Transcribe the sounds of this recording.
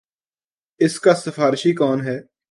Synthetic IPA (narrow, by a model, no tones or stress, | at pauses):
ɪskasɐfaːɾɪʃikɔːnɦɛː